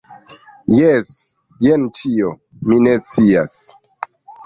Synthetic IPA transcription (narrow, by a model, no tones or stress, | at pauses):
jes | jent͡ʃio | minest͡sias